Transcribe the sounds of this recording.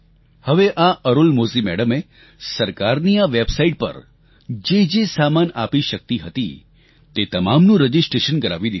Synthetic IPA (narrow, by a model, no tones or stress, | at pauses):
həʋeʔaʔəɾulmosimɛ̰ɽəme | səɾkaɾniaʋebsaiʈ̚pə̰ɾ | d͡ʒed͡ʒesamana̰piʃək̚t̪iɦət̪ḭ | t̪et̪əmamnũɾəd͡ʒisʈɾeʃənɡəɾa̰ʋid̪i